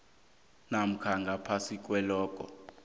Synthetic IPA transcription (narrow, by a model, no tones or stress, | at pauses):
nam̩kʰaŋɡʱapʰasik̬ʼwɛlɔːk̬ʼɔ̰